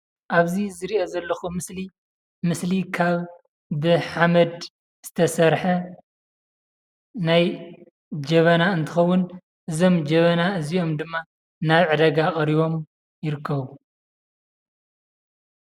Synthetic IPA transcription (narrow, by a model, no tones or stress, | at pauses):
ʔaβzizɨɾiʔo̞zɐlːɐxumɨsli | mɨslikʰaβː | ɨħamɐd̪ | z̥ɨt̪ʰɐsɐɾħɐ | naj | d͡ʒɐβɐnaɨnt̪ʰɨxɐwːʊn | ʔɨzo̞md͡ʒɐβɐnaɨzio̞md̪ɨmːa | naβʕɨd̪ɐɡakʼɐɾiβo̞m | jɪɾɨkʰːɐβu